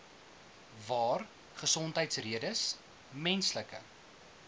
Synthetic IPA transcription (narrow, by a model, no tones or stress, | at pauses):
vɑːr | χəsɔntɦəjtsriədəs | mɛnsləkə̰